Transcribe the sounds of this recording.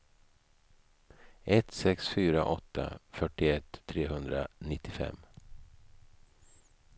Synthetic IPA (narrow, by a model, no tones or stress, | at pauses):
ʔɛt̪sɛksfyːɾaʔɔt̪ʰːa̰fœʈɪɛt̪ʰːɾeːɦɵnd̪ɾanɪt̪ːɪfɛ̰mː